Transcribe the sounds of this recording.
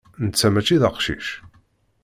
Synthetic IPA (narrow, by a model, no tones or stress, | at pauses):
nət͡sːæmæt͡ʃːiðəqʃḭʃ